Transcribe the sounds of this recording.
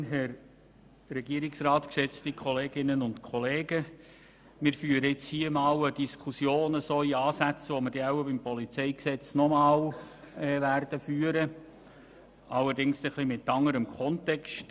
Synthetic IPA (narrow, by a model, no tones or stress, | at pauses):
ɦɛɾ | rɛɡiəɾɪksrɑːt̪kʃɛt͡stikχɔleːɡɪnənʊntkʰɔleːɡ̥ə | mɪɾfyːəɾəɪt͡shiːəmɑːwəd̥iskʰusjoːnəsoːiɑːsæt͡sʋɔməɾd̥ɛawəbɪmpɔlit͡sɛɪksɛt͡snɔmɑːw | ɛʋærdəfyːəɾə | ɑlːəɾdɪŋst̪ɛχlimɪt̪ːɑŋːəɾəmkʰχɔntɛkst